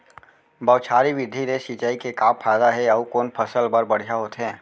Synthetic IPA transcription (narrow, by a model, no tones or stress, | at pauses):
bəʊt͡ʃʰaːɾiʋɪd̪ʱiɾeʃit͡ʃaːikekaːpʰːaːd̪aɦɛɐkoːnpʰəsəlbəɾbɐɽ̤ijaɦoːt̪ɦɛ̃ː